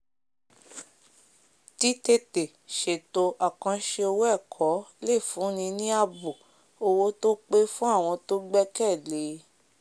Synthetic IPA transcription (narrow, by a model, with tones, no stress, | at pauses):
ti˨˦te˧te˨ | ʃe˨to˨˧ʔa˨kã˧ʃe˧o˧wɛ˦˨kʰɔ˨˦le˦˨fũ˨˦nĩ˧nĩ˦a˧bu˨ | o˧wo˦to˦k͡pe˦fũ˦a˦˨w̃ɔ̃˧to˦ɡ͡bɛ˦kɛ˦˨le˨˦